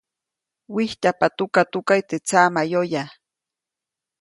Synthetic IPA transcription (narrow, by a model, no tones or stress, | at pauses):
wɪht̪apat̪ʊkat̪ʊkajt̪ɪt͡samajoja